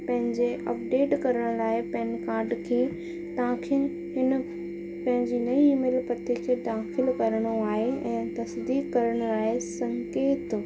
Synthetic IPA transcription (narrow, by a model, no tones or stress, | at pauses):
pɐ̃ɦɪ̃ɲd͡ʑeʔɐ̰p̚ɖeːʈkɐɾəɽ̃ʊlaːɪpɛ̃ɦɪnkaːɾɖkʰeː | t̪ɐʋãkʰe | ɦɪn | pɐ̃ɦɪ̃ɲd͡ʑinɐiːmeːlpɾɐt̪ʰikʰeːd̪aːxɪlkɐɾɽ̃oaːɦeɛ̃ːt̪ɐsd̪iːkkɐɾəɽ̃ʊlaːesɐ̃ŋkeːt̪